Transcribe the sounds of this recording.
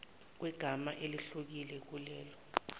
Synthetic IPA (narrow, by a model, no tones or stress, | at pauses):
k̬wɛɡ̥ʱamaʔeliɬuk̬ilɛk̬ulɛːlɔ